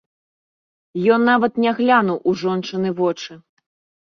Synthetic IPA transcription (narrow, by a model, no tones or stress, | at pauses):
jɔnːavɐt̪nʲaɣlʲanuwʔuʐɔnt͡ʂɨnɨvɔt͡ʂɨ